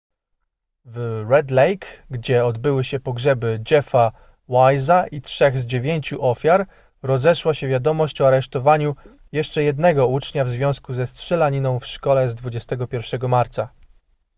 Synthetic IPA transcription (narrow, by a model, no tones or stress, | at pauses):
vɾɛd̪lɛjkɡd͡ʑɛɔd̪bɘwɘɕɛpɔɡʐɛbɘd͡ʒɛfa | wajzaʔitʂɛɣzd͡ʑevʲjeɲt͡ɕuʔɔfʲjaɾ | ɾɔzɛʂwaɕɛvʲjad̪ɔmɔɕt͡ɕɔaɾɛʂt̪ɔvaɲu | jɛʂt͡ʂɛjɛd̪nɛɡɔut͡ʂɲavzvʲjɔ̃w̃skuzɛstʂɛlaɲinɔ̃w̃fʂkɔlɛzd̪vud͡ʑɛst̪ɛɡɔpʲjɛɾfʂɛɡɔmaɾt̪sa